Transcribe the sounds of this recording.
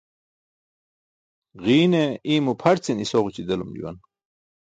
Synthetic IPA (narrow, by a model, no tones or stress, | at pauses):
ɣiːneiːmupʰɐɾt͡sinisoʁut͡ɕid̪ɐlumlḭwɐ̰n